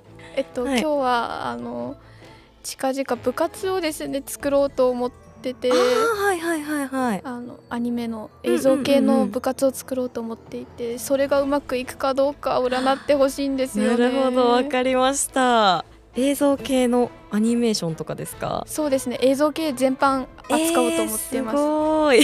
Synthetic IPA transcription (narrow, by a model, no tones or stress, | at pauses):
e̞t̪ːo̞kʲjo̞ːβaa̰no̞ | t͡ɕi̥kaʑikabɯ̟kat͡sɨo̞d̪e̞sɨne̞t͡sɨ̥kɯ̟ɾo̞ːt̪o̞ːmo̞t̪ːe̞t̪e̞aːhaihaiɦaihaiano̞̰aɲ̟ime̞no̞eːzo̞ːke̞ːno̞bɯ̟kat͡sɨo̞t͡sɨ̥kɯ̟ɾo̞ːt̪o̞ːmo̞t̪ːe̞it̪e̞so̞ɾe̞ɡaɯ̟makɯ̟ikɯ̟̥kad̪o̞ːkaɯɾanat̪ːe̞ho̞ɕiːnd̪e̞sɨjoaɾɯɦo̞d̪o̞βakaɾʲimaɕi̥t̪a | e̞ːzo̞ːke̞ːno̞ | aɲ̟ime̞ːɕõ̞nt̪o̞kad̪e̞sɨ̥ka̰so̞ːd̪e̞sɨne̞ʔe̞ːzo̞ːke̞ːzẽ̞mpãŋ | aɨ̥kaoːt̪omot̪ːeimasoi